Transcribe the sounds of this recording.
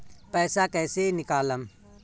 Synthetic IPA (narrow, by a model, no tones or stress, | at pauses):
pɛːsakɛːsenɪkaːləm